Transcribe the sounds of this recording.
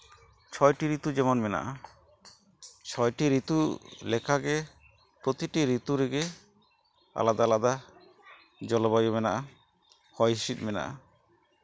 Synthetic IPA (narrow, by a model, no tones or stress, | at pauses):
t͡ʃʰɔjʈiɾit̪ud͡ʒɛmɔnmɛna̰ʔa | t͡ʃʰɔjʈiɾit̪ulekʰaɡe | pɾot̪iʈiɾit̪uɾeɡe | a̰lad̪alad̪a | d͡ʒɔlobajomɛnaʔa | hɔjʃit̚mɛna̰ʔa̰